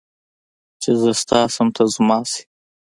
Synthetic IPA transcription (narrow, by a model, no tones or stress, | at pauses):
t͡ʃezəst̪ɑːsəmt̪ʰazmɑːsi̥